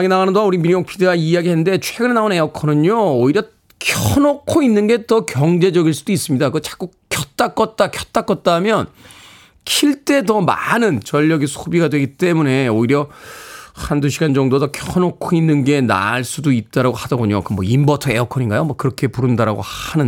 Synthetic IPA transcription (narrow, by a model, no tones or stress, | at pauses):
ɡenaɡanɯndouɾimijoŋpʰideɡaijaɡiɦenːɯnde̞t͡ɕʰweɡɯnenaone̞ʌkʰʌnɯɲooiɾjʌ | kʰʌnokʰoinːɯnɡe̞tʌkjʌŋd͡ʑe̞d͡ʑʌɡiɭs͈ud̥ois͈ɯmɲidakɯɯt͡ɕḁk͈ukk͈ʰːjʌt̚t͈ak͈ʌt̚t͈akʰjʌt̚t͈ak͈ʌt̚t͈amjʌn | kʰiɭt͈e̞t̬ʌma̰nɯnt͡ɕʌʎːʌɡisʰobiɡadwe̞ɡit͈e̞mune̞oiɾjʌ | handuɕʰiɡand͡ʑʌŋdodʌkʰʌnokʰoinːɯnɡe̞na̰ɭs͈udoit̚t͈aɾaɡohadʌɡoɲo̰kɯmʌimbʌtʰʌe̞ʌkʰʌɲinɡajomʌkɯɾʌkʰe̞puɾɯndaɾa̰ɡo̰hanɯn